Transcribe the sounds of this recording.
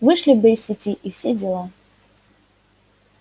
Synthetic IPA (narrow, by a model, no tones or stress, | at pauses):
vɨʂlʲibɛjsʲitʲiʔiwsʲed͡zʲɛlˠa